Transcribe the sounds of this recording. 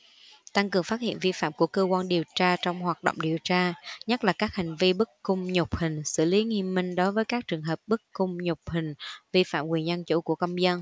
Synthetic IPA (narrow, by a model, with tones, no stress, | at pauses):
t̪a˧ŋkɨ˨˩əŋfaː˦˥t̚hḭ˧˨ənvi˧fa̰ː˧˨mku˧˩əkəː˧kwaː˧nɗi˨˩əwt͡ɕaː˧t͡ɕɔ˧wŋ͡mhwaː˨˩t̚ɗo̰˧˨wŋ͡mɗi˨˩əwt͡ɕaː˧ɲə˦˥t̚laː˨˩kaː˦˥k̚ha˨˩ŋ̟vi˧ɓɨ˦˥kːʊ˧ŋ͡mɲʊ˨˩k͡p̚hï˨˩ŋ̟sɨ̰˧˩li˨˦ŋi˧əmːï˧ŋ̟ɗɔ˨˦vəː˨˦jkaː˦˥k̚t͡ɕɨ˨˩əŋɦəː˨˩p̚ɓɨ˦˥kkʊ˧ŋ͡mɲʊ˨˩k͡p̚hï˨˩ŋ̟vi˧fa̰ː˧˨mkwi˨˩ənzə˧nt͡ɕṵ˧˩ku˧˩əkə˧mzə˧n